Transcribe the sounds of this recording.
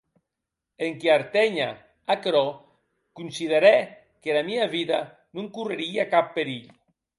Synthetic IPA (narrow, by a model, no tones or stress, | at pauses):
eŋkeaɾt̪ɛɲa̰ | akɾɔ | kunsið̞eɾɛ | kelamiaβiða | nuŋkureɾiakapːeɾiʎ